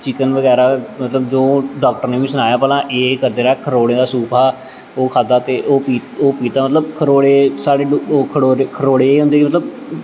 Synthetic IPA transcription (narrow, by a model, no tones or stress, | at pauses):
t͡ʃɪkənʋəɡɛːɾaːmət̪ləbd͡ʒoːɖaːk̚ʈəɾneːʋĩːsənaːjaːpɛːlãːʔeːkəɾd̪eːɾaːkʰəɾoːɽẽːd̪aːsuːpʰaː | oːkʰaːd̪aːt̪eːʔoːpiːt̪oːpiːt̪aːmət̪ləbkʰəɾoːɽeːsaːɽeːkʰəɽoːɾekʰəɾoːɽeːeːɦʊ̃nd̪eːkimət̪ləb